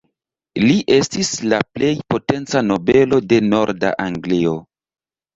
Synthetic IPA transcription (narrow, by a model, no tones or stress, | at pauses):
liʔe̞stislaple̞jpo̞te̞nt͡sano̞be̞lo̞de̞no̞ɾda̰ʔaŋɡlio